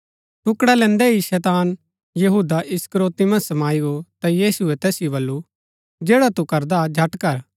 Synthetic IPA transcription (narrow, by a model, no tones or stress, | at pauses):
ʈʊkɽalɛ̃ːnd̪ɛɦiʃɛːt̪aːn | jɐɦuːd̪aʔɪskəɾoːt̪imɐ̃sɐmaːiɡot̪ajiːsuɛt̪ɛːsjobɐlːu | d͡ʒeːɽat̪ukɐɾd̪ad͡ʒʱɐʈkɐɾ